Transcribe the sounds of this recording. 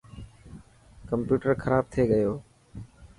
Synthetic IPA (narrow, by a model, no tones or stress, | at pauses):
kəmpjuːʈəɾxʰəɾaːb̚t̪ʰeːɠəjoː